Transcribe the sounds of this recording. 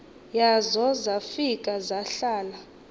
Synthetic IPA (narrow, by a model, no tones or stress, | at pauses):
jazɔzafikʼazaɬaːla